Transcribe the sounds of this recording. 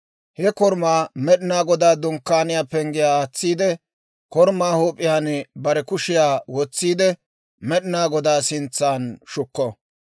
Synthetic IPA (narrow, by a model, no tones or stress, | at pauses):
hɛkɔɾmaːmɛɗɪnaːɡɔd̪aːd̪ʊŋkːaːnɪjaːpɛŋɡɪjaːhɐt͡sːiːd̪ɛ | kɔɾmaːhoːpʼːɪjaːnbɐɾɛkʊʃɪjaːwɔt͡sːiːd̪ɛ | mɛɗɪnaːɡɔd̪aːsɪnt͡sːaːnʃʊkːɔ